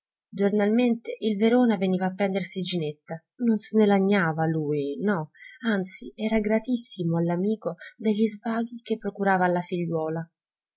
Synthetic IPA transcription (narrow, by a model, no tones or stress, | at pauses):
d͡ʒornalment̪eʔilveɾoːnaveniːvaːpːɾɛnd̪ersid͡ʒinet̪ːa | nonsnelaɲːaːvaluːjnɔant̪siɛːɾaɡɾat̪isːimoalːamiːkod̪eʎːizvaːɡik̟epːɾokuɾaːvalːafiʎːwɔːla